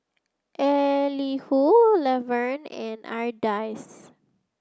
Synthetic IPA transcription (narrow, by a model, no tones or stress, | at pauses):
ʔɛlihulɛvɛɹnɛ̃naɹd̪ajs